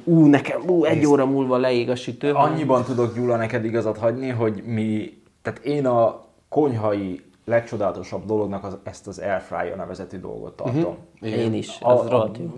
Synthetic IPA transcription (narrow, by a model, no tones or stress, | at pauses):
uːnɛkɛmuːɛɟːoːɾɒmuːlvɒlɛeːɡɒʃit̪øːɒɲːibɒnt̪ud̪o̞kɲuːlːɒnɛkɛd̪iɡɒzɒt̪hɒɟniɦo̞ɟmi | t̪aːt̪eːnɒ | ko̞ɲɦɒji | lɛk̚t͡ʃo̞d̪aːlɒt̪o̞ʃɒbd̪o̞lo̞ɡnɒkɒɛst̪ɒzɛrfra̰ːjo̰nɛvɛzɛt̪yːd̪o̰lɡo̞̰t̪ːɒ̰rt̪o̞̰meːniʃɛzrot̪o